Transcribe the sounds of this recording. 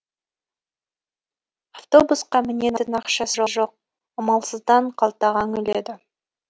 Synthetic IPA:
aft̪o̞busqɑmɪnenɪnɑqʃɑsəʒoʒo̞q̚ | ɑmɑlˠsəzd̪ɑɴqʰɑlˠt̪ɑʁɑŋʏle̞d̪ɪ

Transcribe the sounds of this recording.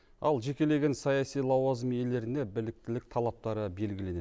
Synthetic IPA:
ɑlˠʒe̞kʲe̞le̞ɡʲe̞nsɑjɑsijlˠɑwɑzəmje̞le̞ɾɪne̞bɪlɪk̚t̪ɪlɪk̚t̪ʰɑlˠɑp̚t̪ɑɾəbe̞lɡʲɪle̞ne

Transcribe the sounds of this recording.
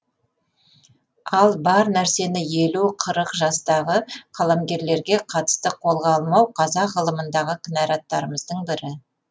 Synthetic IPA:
ɑlˠbɑɾnæɾse̞nɪjeluqʰəɾəqʒɑst̪ɑʁəqʰɑlˠɑmɡʲe̞ɾle̞ɾɡʲe̞qʰɑt̪ə̥st̪əqʰo̞lˠʁɑɑlˠmɑwqʰɑzɑʁəlˠəmənd̪ɑʁəqʲʰɪnɑɾɑt̪ːɑɾəməzd̪əɴbɪɾɪ

